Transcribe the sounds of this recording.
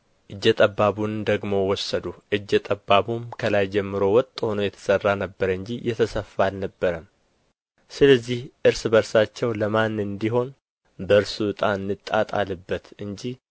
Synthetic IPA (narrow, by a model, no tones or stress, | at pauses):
ʔɨd͡ʒːɛt̪ʼəbːaβund̪əɡmo̞wɔsːəd̪uʔɨd͡ʒːɛt̪ʼəbːaβumkʰəlajd͡ʒɛmːɨɾo̞wɔt̪ʼːho̞no̞jɛt̪ʰə̥sərːanəbːəɾɨɲd͡ʒijɛt̪ʰəsəfalnəbːəɾəm | sɨləzːihʔɨɾsbəɾsat͡ʃːɛwləmanːɨnd̪iɦo̞n | bəɨɾsuɨt̪ʼaɨnːɨt̪ʼːa̰t̪ʼa̰lːɨbːət̪ɨɲd͡ʒih